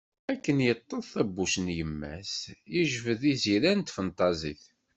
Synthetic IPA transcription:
ækːənjət̪ˤːoθθæbːuʃnjəmːæ̰sjəʒvəðiziɾænt̪fənt̪ˤɑzˤḭθ

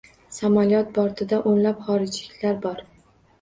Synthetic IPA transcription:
samalijɒt̪̚bɒɾt̪ʰɪd̪aʔonlapχɒɾɪd͡ʒlɪkʲlaɾbɒɾ

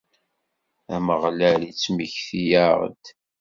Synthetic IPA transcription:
æməʁlælit͡sːmiçθijaʁə̰d̪

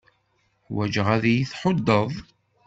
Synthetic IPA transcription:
wæd͡ʒʁæðjiθħod̪ːəðˤ

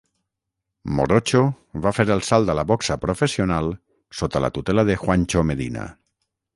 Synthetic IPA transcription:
mo̰ɾot͡ʃo | βafeɾelˠsalˠd̪alaβɔksapɾofesional | sot̪ala̰t̪ut̪elaðexwanʲt͡ʃomeðina̰

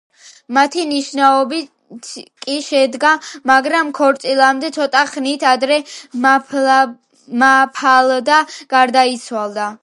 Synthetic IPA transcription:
mat̪ʰiniʃnaɔbi | t̪ʰkʼiʃɛd̪ɡamaɡɾamkʰɔɾt̪sʼilˠamd̪ɛt̪sʰɔt̪ʼaχnit̪ʰad̪ɾɛ | mapʰald̪aɡ̥aɾd̪ait̪sʰwalˠd̪a

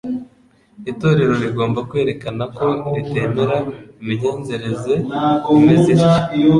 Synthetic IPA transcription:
ito̞ːɾe̞ɾo̞ɾiɡoːmbakwe̞ːɾe̞kanako̞ɾite̞ːmeɾaimiɲoːnze̞ɾe̞ze̞meze

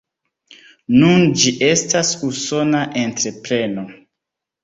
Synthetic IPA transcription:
nund͡ʒiʔe̞stasuso̞naʔentɾe̞pɾe̞no̞

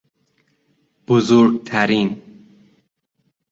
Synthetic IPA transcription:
b̥ozoɾɡt̪ʰæɾin

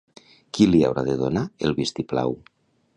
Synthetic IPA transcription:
kilia̰wɾaðeðonaelˠβist̪ipla̰w

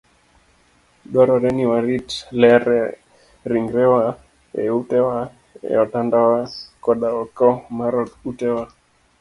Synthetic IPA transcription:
ɗaɾɔɾɛniwaɾitlɛɾɛ | ɾiŋɡɾɛwa | ɛ̰utɛwa | ɛ̰ɔtandawakɔɗaɔkɔmaɾɔtutɛwa

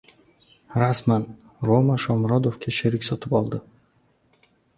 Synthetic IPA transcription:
ɾasman | ɾomaʃɒmɾɒd̪ofkʲʰaʃeɾikʲsɒt̪ʰɪpɒlˠd̪ɪ

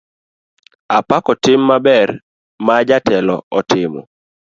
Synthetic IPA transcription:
apakɔtɪmːabɛr | mad͡ʒatɛlɔ̰ɔtɪmɔ̰

